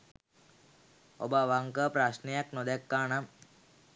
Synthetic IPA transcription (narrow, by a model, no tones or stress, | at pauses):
o̰baʋaŋkəpɾasnejaknod̪ɛkːaːnam